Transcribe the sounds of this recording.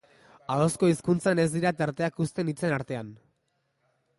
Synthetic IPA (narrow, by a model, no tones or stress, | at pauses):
aðosko̞iskunt͡sane̞zd̪iɾat̪eɾt̪e̞akust̪e̞nit͡se̞naɾt̪e̞an